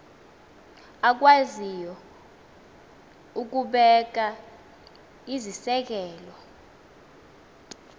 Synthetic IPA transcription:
ak̬wazijɔ | uk̬uɓɛk̬a | izisɛk̬ɛːlɔ

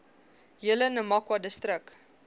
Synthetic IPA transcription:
jələnəmɐkwɐdəstɾək

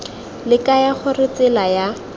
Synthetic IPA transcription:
lɪkajaχʊrɪt͡sɪlaja

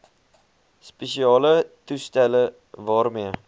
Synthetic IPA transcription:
spesiɒlɪt̪ʰʊst̪alɪ | vɒɾme

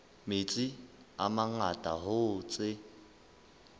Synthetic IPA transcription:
mɪt͡sʼɪ | amaŋatʼaɦʊt͡sʼɪ

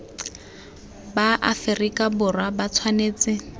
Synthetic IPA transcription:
baʔafɪrikʼabʊrwabat͡sʰwaneːt͡sɪ

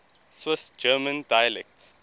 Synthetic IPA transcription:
swɪsd͡ʒɜːmə̃ndajəlɛk̚ts

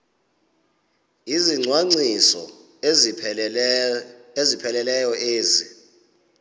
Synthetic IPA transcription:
iziŋ͡ǀʱwaŋ͡ǀisɔ̰ | ezipʰɛlɛlɛjɔʔeːzi

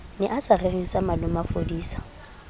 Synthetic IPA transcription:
nɪʔasarerɪsamalʊmafodiːsḁ

